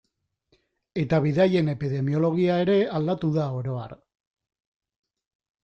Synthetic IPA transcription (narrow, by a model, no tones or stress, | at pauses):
e̞t̪aβ̞iðaje̞ne̞piðe̞mio̞lo̞ɣiae̞ɾe̞ald̪at̪uðao̞ɾo̞a̰ɾ